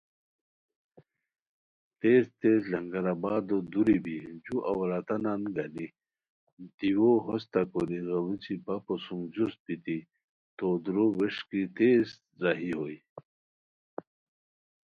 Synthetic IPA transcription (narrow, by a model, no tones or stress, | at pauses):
t̪eːst̪ezlɐŋɡɐɾabaːd̪od̪uɾibid͡ʑuʔɐwɾat̪ɐnanɡɐni | d̪̥iwoɦost̪akoɾiɣɐwut͡sipaposuŋd͡ʑust̪̚pit̪i | t̪od̪ɾoweʂkit̪eːz | zaɦiɦoj